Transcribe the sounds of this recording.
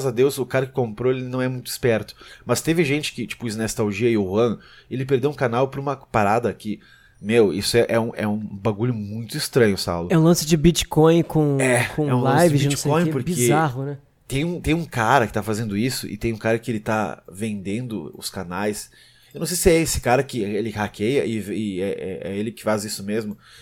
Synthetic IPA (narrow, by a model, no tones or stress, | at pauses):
zad̪ewsʊkaɾɐkɪ̥kõmpɾoelɪnɐ̃w̃ɛmũj̃t̪ʊɪ̥spɛɾt̪ʊ̥mɐst̪evɪʒẽnt͡ʃɪ̥kɪt͡ʃi̥pʊiznost̪awʒiɐɪʊhɐ̃ | elɪp̬eɾd̪ewũkanawpɾũmɐpaɾad̪ɐkɪ | mewḭsʊɛʔɛũʔɛ̰ũbaɡuʎʊmũj̃t̪ʊɪst̪ɾɐ̃ɲʊsa̰wlʊɛũlɐ̃sɪd͡ʒɪbit͡ʃkõj̃kõɛkõɛũlɐassjd͡ʒvɪind͡ʒskeõj̃poɾkbizeaɦʊnɛ | t̪ẽj̃ũt̪ẽj̃ũkaɾɐkɪ̥t̪afazẽnd̪ʊisʊ̰ʔɪ̰t̪ẽj̃ũkaɾɐkɪelɪt̪avẽnd̪ẽnd̪ʊʊ̰skanajs | ewnɐ̃w̃sejsɪɛesɪ̥kaɾɐkɪelɪhakʰejɐʔɪvɪɛɛ̰ɛ̰elɪkɪ̥fazisʊmezmʊ